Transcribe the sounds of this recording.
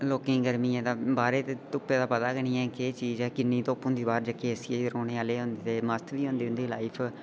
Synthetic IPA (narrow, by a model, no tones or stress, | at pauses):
loːkẽːɡəɾmiːɛ̃ːd̪aːbaːɾeːt̪eːt̪ʊpːeːd̪aːpət̪aːɡəñĩːɛːkeːt͡ʃiːzɛːkɪnːĩːt̪oːpːõnd̪iːbaːɾd͡ʒəkːeːəsiːeːɾoːñeːaːleːɦõnd̪eːt̪eːməst̪ʰʋiːɦõːnd̪eːʊnd̪eːlaːɪpʰ